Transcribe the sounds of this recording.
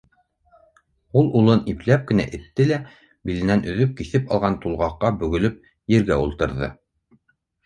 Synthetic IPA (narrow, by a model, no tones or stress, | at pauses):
ulˠulˠɤniplæp̚kɘ̆næ̰ʔɘ̆t̪ːɘlæ | bilɘ̆nænʔɵ̆ðɵp̚kiθɘpɑ̰lˠʁɑnt̪ulˠʁɑqːɑbɵ̆ɡɵ̆lɵp̚ | jɘ̆ɾɡæulˠt̪ɤ̆ɾðɤ̰